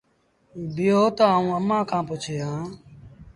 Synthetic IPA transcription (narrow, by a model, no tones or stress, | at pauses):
bɪjoːt̪oːaːũːəmːãːkʰãːpʊt͡ʃʰeːɦãː